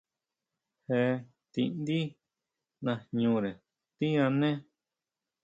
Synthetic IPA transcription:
he˧ | t̪ḭ˧nd̪i˦ | nã˧ɲũ˧ɾe˨ | t̪i˦ã˧nẽ˦

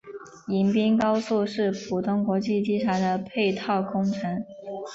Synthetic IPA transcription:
i˧˥npi˥ŋkɑ˥ʊsu˥˧ʂɻ̩˥˩pʰu˨˩t̪ʊ˥˩ŋkwɔ˧˥t͡ɕi˥˩t͡ɕi˥ʈ͡ʂʰa˧˥d̪ə˧pʰe˥˧ɪt̪ʰɑ˥˩ʊkʰʊ˥ŋʈ͡ʂʰə˧˥ŋ

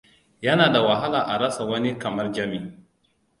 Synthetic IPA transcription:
jɐ˦naː˨da˨wɐ˨ɦa˦laː˨ʔa˨ɾɐ˦sa˨wɐ˦ni˦kɐ˨mɐ˦rd͡ʒɐ˦mi˨

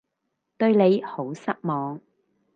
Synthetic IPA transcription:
t̪ɵ˧ɥne˨˧jho˨˥wsɐ˥k̚mɔː˨˧ŋ

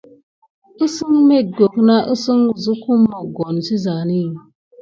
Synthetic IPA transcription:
ɨ˦sɨ˦ŋme˦ɡo˨kna˦ʔɨ˦sɨ˦ŋu˨zɨ˦ku˦mo˨ɡo˨n˨si˦za˨ni˦˨

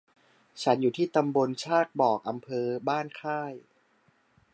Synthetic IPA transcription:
t͡ɕʰa˦˥njuː˨˩t̪ʰiː˥˩t̪a˧mbo˧nt͡ɕʰaː˥˩t̪̚bɔː˨˩k̚ʔa˧mpʰɤː˧baː˥˩nkʰaː˥˩j

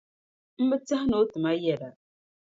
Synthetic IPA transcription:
m̩˦mə˦t͡sa˦hno˨˦tɨ˨ma˦jɛ˦˨ɾa˨

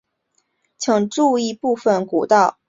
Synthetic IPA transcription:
t͡ɕʰjɤ˧˥ŋʈ͡ʂu˥˧i˥˧pu˥˩fə˨˩nku˨˩t̪ɑ˥˩ʊ

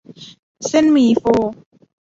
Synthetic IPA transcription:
sɪ˦nmi˨fo˦

